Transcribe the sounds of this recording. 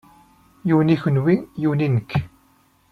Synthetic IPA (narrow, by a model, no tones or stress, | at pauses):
juniçənwiŋjuninək